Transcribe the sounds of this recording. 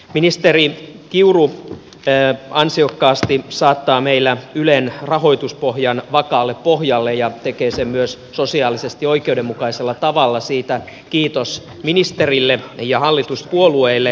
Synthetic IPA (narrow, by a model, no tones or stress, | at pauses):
minist̪eri | kiuru | ɑnsiokːɑːst̪isɑːt̪ːɑːmeilːæylenrɑɦo̞it̪uspohjɑnʋɑkɑːlːeppohjɑlːejɑt̪ekeːsemyøs | sosiɑːlisest̪io̞ikeudemːukɑiselːɑt̪ɑʋɑlːɑsiːt̪æ | kiːt̪os | minist̪erilːejɑhɑlːit̪uspuolueilːe